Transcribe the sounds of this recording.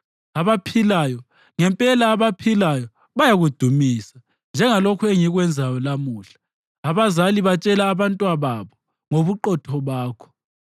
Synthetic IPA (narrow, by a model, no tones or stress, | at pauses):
aβapʰilajɔ | ŋɛmpʼɛlaːβapʰilajɔ | βajaɣud̥ʱumiːsa | nd͡ʒʱɛŋalokʰueŋiɣwɛnd͡zʱajɔlamuːɬḁː | βazaliβat͡ʃʼɛlaːβantʼwaβaβɔ | ŋoβuǃɔtʰɔβaːkʰɔ̥